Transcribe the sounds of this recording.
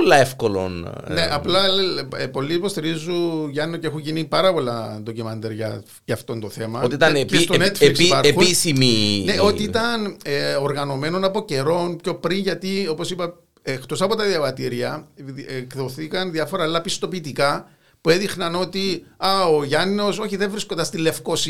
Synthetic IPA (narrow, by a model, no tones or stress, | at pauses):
lːɐefkolo̰n | neʔɐplɐpo̞lːipost̪iɾizːuʝɐnːoceexuɲʝinipɐɾɐpo̞lːɐend̪ocimɐnd̪eɾʝɐ̰ | ʝɐːft̪o̞nt̪o̞θe̞mɐot̪it̪ɐnet̪onet̪fliksipɐɾexuisimineo̞t̪iit̪ɐneoɾɣɐno̞me̞no̞nɐpo̞ce̞ɾo̞npço̞pɾinʝɐt̪io̞po̞sipɐ | ext̪o̞sɐpo̞t̪ɐðiɐvɐt̪iɾiɐekðoθikɐnðiɐfo̞ɾɐːlːɐpist̪o̞piːt̪ikɐ | pue̞ðixnɐno̞t̪iɐoʝɐno̞so̞çiðeɱvɾiskond̪ɐst̪ilːe̞fko̞s